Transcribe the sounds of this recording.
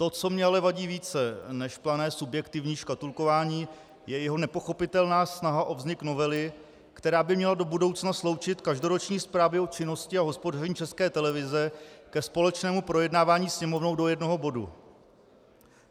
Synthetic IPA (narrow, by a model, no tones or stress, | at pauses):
t̪o̞t͡so̞mɲɛalɛvaɟiːviːt͡sɛnɛʃplanɛːsubjɛkt̪ɪvɲiːʃkat̪ulko̞vaːɲiː | jɛjɛɦo̞nɛpo̞xo̞pɪt̪ɛlnaːsnaɦaʔo̞vzɲɪkno̞vɛlɪ | kt̪ɛɾaːbɪmɲɛlado̞budo̞wt͡snaslo̞wt͡ʃɪt̪kaʒdo̞ɾo̞t͡ʃɲiːspɾaːvjɛo̞t͡ʃɪno̞scɪaɦo̞spo̞darɛɲiːt͡ʃɛskɛːt̪ɛlɛvɪzɛkɛspo̞lɛt͡ʃnɛːmupɾo̞jɛdnaːvaːɲiːsɲɛmo̞vnowdo̞jɛdno̞ɦobo̞dṵ